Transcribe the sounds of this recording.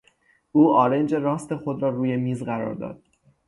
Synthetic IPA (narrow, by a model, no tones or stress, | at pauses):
ʔuːɒːɾe̞nd͡ʒe̞ɾɒːst̪e̞xod̪ɾɒːruːje̞miːzɢæɾɒ̰ɾd̪ɒ̰ːd̪̥̚